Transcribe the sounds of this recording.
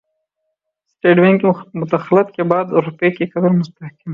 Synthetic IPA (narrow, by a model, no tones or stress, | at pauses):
sʈeːɖwenkmʊt̪axlat̪̚kebɑːd̪ɾupekekɐd̪əɾmʊst̪ahkɪm